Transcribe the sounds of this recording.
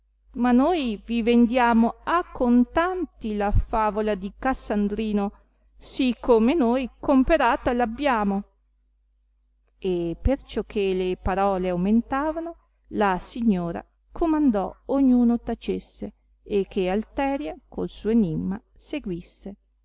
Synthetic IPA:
manojvivend̪jaːmoakʰːont̪ant̪ilafaːvolad̪ikasːand̪ɾiːno | sikʰːomenojkompeɾaːt̪alabːjaːmo | epert͡ʃɔkʰːelepaɾɔːleawment̪aːvano | lasiɲːoːɾa̰ | kʰomand̪ɔ̰oɲːuːnot̪at͡ʃesːe | ek̟ːealt̪ɛːɾjakolsuːenimmːa | seɡwisːe

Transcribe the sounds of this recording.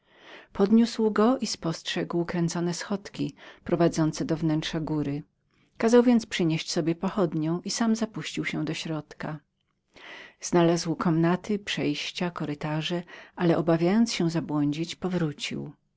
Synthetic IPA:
pʰɔd̪ɲuswɡɔʔispɔstʂɛɡwkɾɛnt̪sɔnɛsxɔt̪kʲipɾɔvad̪zɔnt̪sɛd̪ɔvnɛntʂaɡuɾɘ | kazawvʲjɛnt̪spʂɘɲeɕt͡ɕsɔbʲjɛpɔxɔd̪ɲɔ̃w̃ʔisamzapuɕt͡ɕiwɕɛd̪ɔɕɾɔt̪ka | z̥nalazwkʰɔmnat̪ɘpʂɛjɕt͡ɕakɔɾɘt̪aʐɛʔalɛʔɔbavʲjajɔnt̪sɕɛzabwɔɲd͡ʑit͡ɕpɔvɾut͡ɕḭw

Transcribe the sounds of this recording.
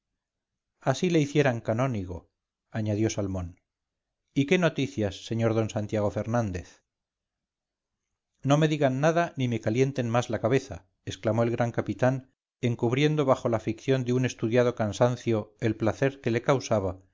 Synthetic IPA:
asile̞iθje̞ɾaŋkano̞niɣ̞o̞ | aɲaðjo̞salmo̞n | ike̞no̞t̪iθjasːe̞ɲo̞ɾðo̞nsant̪jaɣ̞o̞fe̞ɾnãnd̪e̞θ | no̞me̞ðiɣanːaðanime̞kalje̞nt̪e̞nmazlakaβe̞θa̰ | esklamo̞elɣɾʔaŋkapit̪an | e̞ŋkuβɾje̞nd̪o̞βaxo̞lafikθjo̞nd̪eune̞st̪uðjað̞o̞kansanθjo̞e̞lplaθe̞ɾke̞le̞kawsaβa

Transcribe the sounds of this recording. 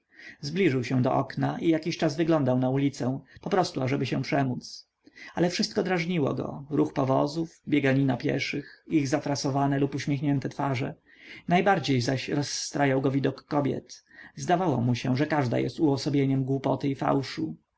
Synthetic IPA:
zblʲiʐɘwɕɛ̃d̪ɔ̰ʔɔknaʔijakʲiɕt͡ʂazvɘɡlɔnd̪awnaulʲit̪sɛ̃pɔpɾɔst̪uaʐɛbɘɕɛ̃pʂɛmut̪s | alɛfʂɘst̪̚kɔd̪ɾaʐɲiwɔ̰ɡɔ̰ɾuxpɔvɔzufbʲjeɡaɲinapʲjɛ̰ʂɘxiɣzatɾasɔvanɛlupuɕmʲjexɲɛnt̪ɛt̪faʐɛ̰ | najbaɾd͡ʑejzaɕɾɔsːt̪ɾajawɡɔvʲid̪ɔkːɔbʲjɛ̰t̪zd̪avawɔ̰muɕɛ̰̃ʐɛkaʐd̪a̰jɛ̰st̪uɔsɔbʲjeɲɛmɡwupɔt̪ɘifa̰wʂu

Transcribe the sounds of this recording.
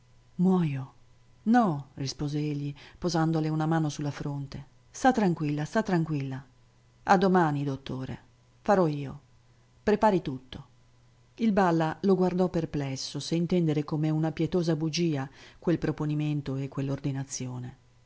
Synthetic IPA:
mwɔjo | nɔrispoːzeeʎːipozand̪oleunamaːnosulːafɾont̪e | st̪at̪ːɾaŋkwilːast̪at̪ːɾaŋkwilːa | ad̪ːomaːnid̪ot̪ːoːɾḛ | faɾɔiːo | pɾepaːɾit̪ut̪ːo | ilbalːaloɡward̪ɔpːerplɛsːoseint̪ɛnd̪eɾekomeunapjɛt̪oːzabud͡ʒiːakwelpɾoponiment̪oekːwelːord̪inat̪sːjoːne

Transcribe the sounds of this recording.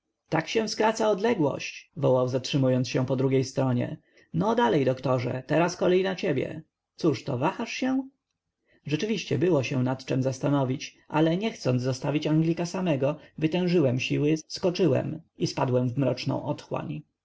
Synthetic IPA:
t̪akɕɛ̃skɾat̪saɔd̪lɛɡwɔ̰ɕt͡ɕvɔwawzatʂɘmujɔnt̪ɕɛpɔd̪ɾuɡʲejst̪ɾɔɲɛ̰ | nɔd̪alɛjd̪ɔkt̪ɔʐɛ̰t̪ɛɾaskɔlɛjnat͡ɕebʲjɛ̰ | t̪suʂt̪ɔvaxaʂɕɛ̃ | ʐɛt͡ʂɘvʲiɕt͡ɕɛbɘwɔɕɛ̃nat̪t͡ʂɛmzast̪anɔvʲit͡ɕʔa̰lɛɲɛxt̪sɔnzɔst̪avʲit͡ɕaŋɡlʲikasamɛɡɔvɘt̪ɛ̃w̃ʐɘwɛmɕiwɘskɔt͡ʂɘwɛ̰mispad̪wɛmvmɾɔt͡ʂnɔ̰̃w̃ʔɔt̪xwa̰ɲ

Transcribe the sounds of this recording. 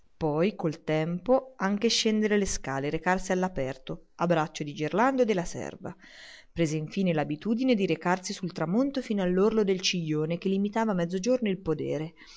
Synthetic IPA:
pɔjkolt̪ɛmpoaŋk̟eʃːɛnd̪eɾeleskaːleɾekarsialːapɛrt̪oabːɾat͡ʃːod̪id͡ʒerland̪od̪elːasɛ̰rva̰ | pɾeːzeiɱfiːnelabit̪uːd̪ined̪iɾekarsisult̪ɾamont̪ofiːnoalːorlod̪elt͡ʃiʎːoːnek̟elːimit̪aːvamɛd̪zːod͡ʒornoilpod̪ɛ̰ːɾe

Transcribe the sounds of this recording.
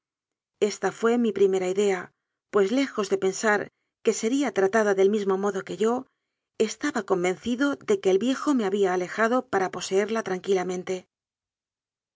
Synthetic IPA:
e̞st̪afwe̞mipɾime̞ɾaiðe̞a | pwe̞zle̞xo̞zðe̞pe̞nsaɾ | ke̞se̞ɾiat̪ɾat̪aðaðe̞lmizmo̞mo̞ðo̞ke̞ʝo̞ | e̞st̪aβako̞mbẽ̞nθiðo̞ðe̞ke̞ːlβje̞xo̞me̞aβiaːle̞xaðopaɾapo̞se̞e̞ɾlat̪ɾaŋkilamẽ̞nt̪e̞

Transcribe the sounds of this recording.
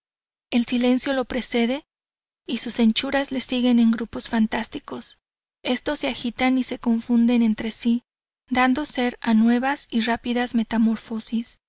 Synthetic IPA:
e̞lsile̞nsjo̞lo̞pɾe̞se̞ðe̞ | isuse̞nt͡ʃuɾazle̞siɣe̞ne̞ŋɡɾupo̞sfant̪ast̪iko̞s | e̞st̪o̞sːe̞axit̪anise̞ko̞ɱfund̪e̞ne̞nt̪ɾe̞si | d̪and̪o̞se̞ɾanwe̞βasirapiðazme̞t̪amo̞ɾfo̞sis

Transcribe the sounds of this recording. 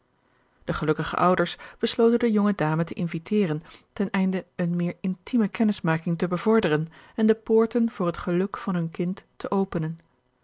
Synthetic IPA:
d̥əχəlɵkəχə̰ʔʌwdəɹsb̥əslowtəndəjɔŋədaːmətəʔɪnvitɪːrəntɛnɛjndəənmɪːɹɪntiməkɛnɪsmaːkɪŋtəbəvɔɹdərənɛndəpʊːɹtənvʊːɹrɦətχəlɵkfɑnɦɵnkɪntːəʔowpənən

